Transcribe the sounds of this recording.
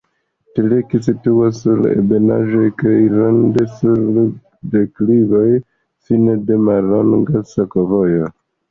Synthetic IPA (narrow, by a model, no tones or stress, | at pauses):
tilekis̬ituasːuɾḛbena̰ʒojkajɾondesuɾ | deklivo̞j | sinede̞maloŋɡasokovojo